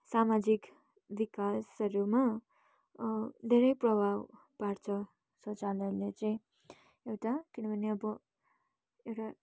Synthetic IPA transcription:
samad͡zik | bikasʌɾuma | d̪ʱeɾʌjprʌbʱaw | paɾt͡sʰʌ | sot͡salʌlet͡sʌj̃ | ewʈakinʌbʱʌneʌbʌ | ewʈa

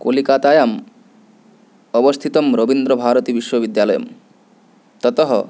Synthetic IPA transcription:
kolikat̪ajam | ɔbɔst̪ʰit̪ɔmɾobind̪ɾɔbʱaːɾɔt̪ibiʃwɔbid̪jalɔjɔ̰m | t̪ɔt̪ɔɦɔ̰

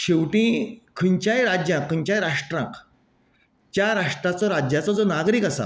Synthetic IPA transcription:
ɕewʈĩkʰəɲt͡ɕjajɾad͡ʑjãkʰəɲt͡ɕajɾaʂʈɾã̰ŋk | t͡ɕjaɾaʂʈɾat͡sɔɾad͡ʑjat͡sɔd͡zɔnaɡɾiːkasa̰

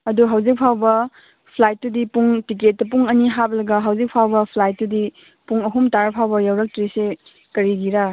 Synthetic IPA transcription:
ɐduɦawzik̚pʰawbɐ | pʰlajt̚ːudipuŋtik̬et̚ːɐp̬uŋɐniɦaplɐɡɐɦawzik̚pʰawbɐpʰlajt̚tudi | puŋɐɦumtaɾpʰawbɐjawɾɐk̚tɾise | kɐɾiɡiɾa

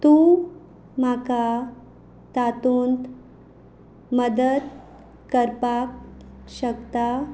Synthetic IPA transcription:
t̪ũ | m̤aka | t̪at̪unt̪ | məd̪əd̪ | kəɾpakɕəkt̪a

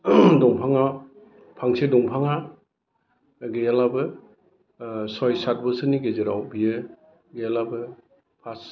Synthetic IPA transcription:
dɔŋpʰaŋa | pʰaŋsedɔŋpʰaŋa | ɡejalabɯ | sɔjsat̚bɯsɯniɡezeɾawbijɯ | ɡejalabɯ | pʰas

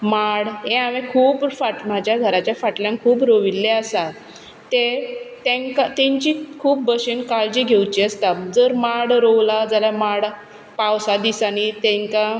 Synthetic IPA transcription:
maɽɦẽaʋẽkʰuːpfaʈmad͡ʑʱjaɡʱəɾat͡ɕjafaʈljãŋkʰuːpɾoʋilːeəsat̪ | t̪et̪ẽŋkat̪ẽɲt͡ɕikʰuːp̚bəɕenkaɭd͡ʑiːɡʱewt͡ɕiːəst̪ad͡zəɾmaɽɾowlad͡zaljamaɽ | pawsad̪isanit̪ɛ̃ŋka

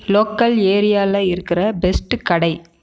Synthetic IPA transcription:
loːkːɐleːɾɪjaːlɐɪɾɯkːɪrɐbɛsʈkɐɽɐɪ

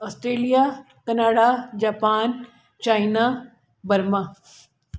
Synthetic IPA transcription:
ɔːsʈɾeːlija | kɐnaːɽad͡ʑaːpaːn | t͡ɕaːina | bɐɾma

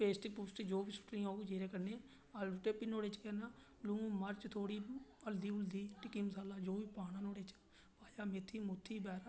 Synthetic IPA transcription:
peːsʈipuːsʈed͡ʒoːʋiːsʊ̥ʈɾĩːaːud͡ʒeːɾeːkəɾnẽː | aluʈ̪eːpiːnoːɽeːt͡ʃkɛːnaː | lũːməɾt͡ʃt̪ʰoːɽiːəld̪iːʊld̪iːʈɪkːiːməsaːlaːd͡ʒoːʋiːpaːɽ̃ãːnoːɽeːt͡ʃ | paːjaːmet̪ʰːiːmʊt̪ʰːiːbɛːɾa

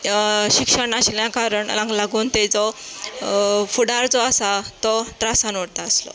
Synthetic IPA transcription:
ɕikʂəɳaɕljãkaɾəɳlãɡlaɡuːnt̪ed͡zɔ | fuɽaɾd͡zɔasat̪ɔt̪ɾasanʋəɽt̪aəslɔ̰

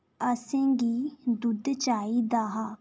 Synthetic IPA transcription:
əsẽːɡiːd̪ʊd̪t͡ʃaːiːd̪aːɦaː

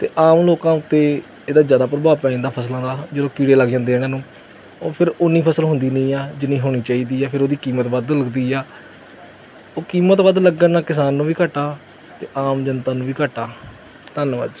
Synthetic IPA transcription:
t̪ḛːʔaːmloːkãːʊt̪ːeː | eːd̪aːzjaːd̪aːpɾəbaːʋpɛ̃ːd̪aːpʰəslãːd̪aːd͡ʒəd̪oːkiːɽeːləɡd͡ʒãːnd̪eːɽãːnũː | oːpʰɪɾʊnːiːpʰəsəlɦʊ̃nd̪iːnĩːaːd͡ʒɪnːĩːɦoːɽ̃iːt͡ʃaːiːd̪iːɛːpʰɪɾoːd̪iːkiːmət̪ʋəd̪ləɡd̪iːɛː | oːkiːmət̪ʋəd̪ləɡːənaːkɪsaːnːũːʋiːkəʈaː | t̪ḛːʔaːmd͡ʒənt̪aːnũːʋiːkəʈaː | t̪ənʋə̰d̪

